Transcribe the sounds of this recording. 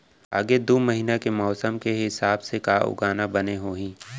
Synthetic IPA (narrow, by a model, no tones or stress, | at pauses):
a̰ːɡed̪oːməɦiːnakemɔːsəmkeɦɪsaːbsekaːʊ̰ɡaːnabɐneɦoːɦĩː